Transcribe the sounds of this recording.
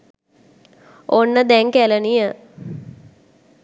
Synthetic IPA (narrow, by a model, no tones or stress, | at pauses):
onːəd̪ɛŋkælənijə